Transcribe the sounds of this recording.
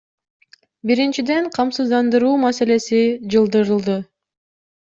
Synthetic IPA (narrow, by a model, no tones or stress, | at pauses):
biɾint͡ʃid̪e̞ɴqʰɑmsɯzd̪ɑnd̪ɯɾuːmase̞le̞sid͡ʒɯlˠd̪ɯɾɯlˠd̪ɯ